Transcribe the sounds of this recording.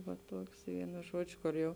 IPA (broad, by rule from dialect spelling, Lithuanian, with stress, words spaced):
ʋɐ ˈtuɔks ˈʋʲiɛnʊ ˈʒuɔd͡ʒʲʊ koːr ˈjɛʊ